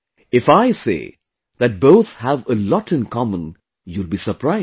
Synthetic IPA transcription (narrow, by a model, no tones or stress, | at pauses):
ɪfaɪsḛː | ðæʈ̚boʊt̪hæʋəlɔʈɨ̃nkʰɑmə̃n | julbisəpɾaɪ